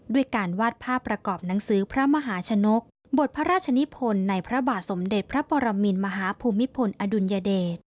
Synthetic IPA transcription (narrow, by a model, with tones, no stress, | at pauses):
du˥˩əjkaː˧nwaː˥˩t̪̚pʰaː˥˩pːɾa˧kɔː˨˩p̚na˩˦ŋsɯː˩˦pʰɾa˦˥ma˧ɦaː˩˦t͡ɕʰa˧no˦˥k̚ | bo˨˩t̪̚pʰa˦˥ɾaː˥˩t̪̚t͡ɕʰa˧ni˦˥pʰo˧nːa˧jpʰɾa˦˥baː˨˩t̪̚so˩˦mde˨˩t̪̚pʰɾa˦˥pɔː˧ɾa˧mi˧nma˧ɦaː˩˦pʰuː˧mːi˦˥pʰo˧nʔa˧du˧njaː˧deː˨˩t̪̚